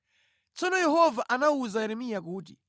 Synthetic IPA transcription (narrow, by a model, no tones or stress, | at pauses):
t͡sɔnɔjɛhɔvaʔanauzajɛɾɛmijak̬uːti